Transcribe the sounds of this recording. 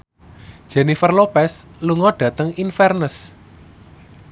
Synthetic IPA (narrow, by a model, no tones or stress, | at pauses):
d̥ʒ̥ɛnifərlopɛsluŋɔɖ̥ä̤t̪əŋinfɛrnəs